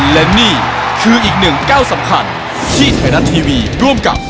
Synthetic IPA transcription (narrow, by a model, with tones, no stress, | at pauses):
lɛ˦˥niː˥˩kʰɯː˧ʔiː˨˩k̚nɯ˨˩ŋkaː˥˩wsa˩˦mkʰa˧n | t̪ʰiː˥˩t̪ʰaː˧˦ɾa˦˥t̪ʰːiː˧wiː˧ɾu˥˩əmka̰˨˩p̚